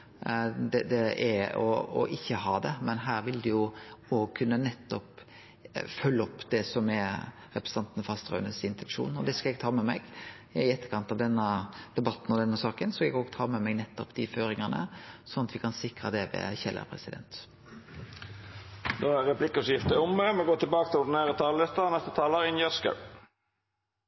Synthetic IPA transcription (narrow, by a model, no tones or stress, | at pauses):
d̪ɛd̪ɛɛɔ̰ɔ̰ʔɪçːəɦɑːd̪ɛmɛnɦæːɾʋɪld̪ʉjʊoːɡkʰʉnːənɛt̪ːɔp | fœlːəɔpːd̪ɛsɔmɛ | ɾɛpɾəsə̥nɑnt̪nfɑst̪ʁœ̰ːnəsɪnt̪ʰɛnʂṵːnɔd̪ɛskɑlɛɡ̚t̪ʰɑːmɛmɛɡ | ɪɛt̪ːəkʰɑnt̪ɑʋd̪ɛnːəd̪̥ɛbɑt̪n̩ɔd̪ɛnːəsɑːkənsɔɑɛɡoːɡt̪ʰɑːmɛmɛɡnɛt̪ːɔpd̪̥ɪføːɾɪŋənə̰sɔnɑt̪ʋɪkʰɑnsɪkɾəd̪ɛʋɛ̰çɛlə̰pʰʁɛsɪd̪ɛ̰nt̪ | d̪oːæʁɛpʰlɪkʊsjɪft̪əʊmːəmɛɡoːt̪ɪlbɑːkəst̪ʰɪlɔd̪neːʁət̪ʰɑːləlɛt̪ənɛst̪ət̪ʰɑːləɾɪnjœskə̰